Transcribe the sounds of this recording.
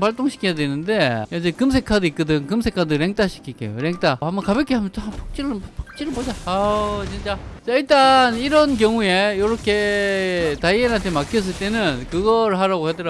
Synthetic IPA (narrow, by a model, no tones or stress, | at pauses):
paɭt͈oŋɕʰi̥kʰijadwe̞nɯnde̞jad͡ʑekɯmsʰe̞kʰaduik͈̚ʌdɯŋkɯmsʰe̞kʰadɯɾe̞ŋt͈aɕʰi̥kʰik͈ḛjo̰ɾe̞ŋt͈aambʌkabek͈ʰiɦamjʌnopʰok̚t͡ɕ͈iɾɯpʰo̥k̚t͡ɕ͈iɾɯɭbod͡ʑaat͡ɕint͡ɕ͈asʌiɭt͈aniɾʌnk̬jʌŋue̞jʌɾʌkʰe̞ | taienɦantʰemakʰiʌs̬͈ɯɭt͈e̞nɯnkɯɡʌɾɯɭɦaɾaɡohedɯɾa